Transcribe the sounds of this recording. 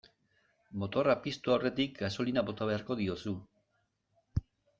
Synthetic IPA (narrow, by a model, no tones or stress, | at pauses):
mo̞t̪o̞rapist̪uawre̞t̪ikɡaso̞linaβo̞t̪aβe̞aɾko̞ð̞io̞su